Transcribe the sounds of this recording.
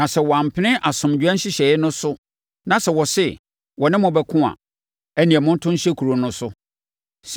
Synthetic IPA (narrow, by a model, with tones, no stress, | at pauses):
nã˨sɛ˨wɔ˨a˨m̩˨pʰɪ˦nɪ̃˦ʔa˨sʊ̃˨md͡ʑᶣɛ̃˦n̩˦ɕɪ˦ɕɛ˨ɪ˦nʊ̃˦sʊ˦ | nã˨sɛ˨wɔ˨sɛ˦ | wɔ˨nɪ̃˦mʊ̃˨bɛ˨kʰʊ̃˦a̰˨ | æ˦nĩ˨ɛ˨mʊ̃˦n̩˦tʰʊ̃˦n˦ɕɛ˦kʰu˨ɾo˨nʊ̃˦sʊ˦ | s